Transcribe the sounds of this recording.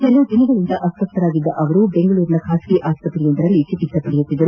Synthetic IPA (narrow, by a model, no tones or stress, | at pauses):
t͡ʃɛlːɐːd̪inɐɡɐɭind̪ɐʔɐst̪ɐpt̪ɐɾaːɡid̪ːɐʔɐʋɐɾubeŋɡɐɭuːɾinɐkʰaːskiʔaːst̪ɐpɐɾijond̪ɐɾɐlːit͡ʃipisɐpɐɽɛjut̪ːid̪ːɐɾu